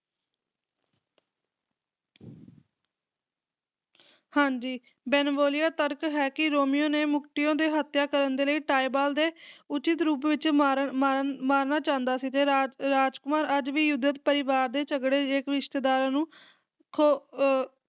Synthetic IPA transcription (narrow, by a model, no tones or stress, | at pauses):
hãːɲd͡ʒiː | bɛːnboːlɪjaːt̪əɾkɦɛːkɪɾoːmɪjõːneːmʊkʰʈ̪ɪjõːd̪eːɦət̪jaːkəɾənd̪eːləiːʈaːibaːld̪eːʊt͡ʃɪt̪ɾuːpʋɪt͡ʃːmamaːɾnaːt͡ʃãːnd̪aːsiːt̪eːɾaːd͡ʒkʊmaːɾəd͡ʒʋiːjʊd̪ət̪pəɾɪʋaːɾd̪eːt͡ʃəɡɽeːeːkɾɪʃt̪eːd̪aːɾãːnũː | kʰo